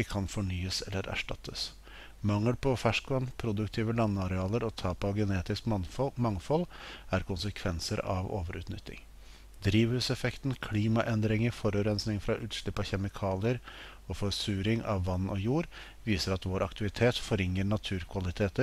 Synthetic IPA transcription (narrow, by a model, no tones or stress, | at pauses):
ɪkʰɑnfɔɳyːəsɛlːəɾʔæ̰ʂʈɑ̰t̪ʰːəs | mɑŋːəlpɔfæʂkʋɑnpʰɾʊd̪ʉkt̪ʰiːʋəlɑnːəɑɾɛɑːləɾɔt̪ʰɑːpɑɡɛneːt̪ɪskmɑŋfɔlæɾkʊnsəkʰʋɛnsəɾɑ̰ʋo̰ːʋəɾʉ̰ːt̪nʏt̪ʰːɪ̰ŋ | d̪ɾiːʋhʉːsɛfɛkt̪nkʰliːmɑʔɛnd̪ɾɪŋəɾfɔɾʉːɾɛnsnɪŋfɾɑʔʉːt̪ʂɭɪpːɑçɛmɪkʰɑːlɪəɾ | ɔfɔɾsʉːɾɪŋɑ̰ʋːɑnːɔjuːɾ | ʋiːsəɾɑt̪ʋoːɾʔɑkt̪ɪʋɪt̪ʰeːt̪fɔɾɪŋːəɳɑt̪ʰʉːɾkʰʋɑlɪt̪ʰeːt̪əɾ